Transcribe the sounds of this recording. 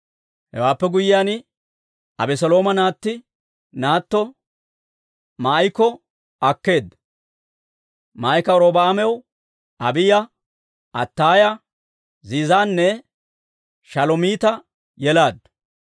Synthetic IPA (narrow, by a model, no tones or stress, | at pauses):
hɛ̰waːpːɛɡʊjɪjaːn | ɐ̰bɛsɔlo̞ːmɐnaːt̪ːɪ | naːt̪ːɔ | majkɔ | ɐkːe̞ːd̪ː | maːjkɐɔɾoːbaːmɛw | ʔɐbɪjɐ | ʔɐt̪ːaːjɐ | ziːzaːnːɛ | ʃɐlɔmiːt̪ɐ | jɛlaːd̪ːɐ